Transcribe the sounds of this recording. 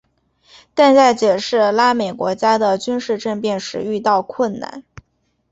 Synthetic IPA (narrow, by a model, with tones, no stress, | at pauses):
t̪a˥˧nt͡sa˥˩ɪt͡ɕjɛ˨˩ʂɻ̩˥˩la˥me˨˩ɪkwɔ˧˥t͡ɕja˥d̪ə˨t͡ɕy˥nʂɻ̩˥˧ʈ͡ʂə˥˧ŋpjɛ˥˩nʂɻ̩˧˥y˥˧t̪ɑ˥˧ʊkʰwə˥˩nna̰˥˩n